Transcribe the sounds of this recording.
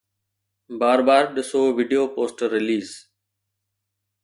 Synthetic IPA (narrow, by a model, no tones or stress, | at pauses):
baːɾbaːɾɗɪsoːʋiːɖijoːpoːsʈɾːɪliːz